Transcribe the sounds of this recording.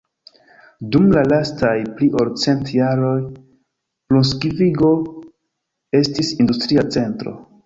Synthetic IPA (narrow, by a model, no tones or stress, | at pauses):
dumlalastajpliʔoɾt͡se̞ntjaɾo̞j | pluns̬kiviɡo̞ | e̞stisindustɾiat͡se̞ntɾo̞̰